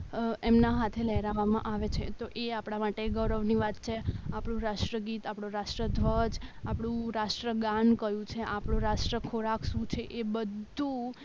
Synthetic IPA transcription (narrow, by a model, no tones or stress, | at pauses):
emnaɦat̪ʰeləɦɾaʋamã̰ʔaʋet͡ʃʰḛt̪oʔeapɽ̃amaʈeɡəɾəʋniʋat̪̚t͡ʃʰeapɽũɾaʃʈɾəɡit̪apɽ̃ũɾaʃʈɾəd̪ʱʋəd͡ʒapɽ̃ũɾaʃʈɾəɡãnkəjũt͡ʃʰeʔapɳ̃ũɾaʃʈɾəkʰoɾaksũt͡ʃʰeʔebəd̪ʱũ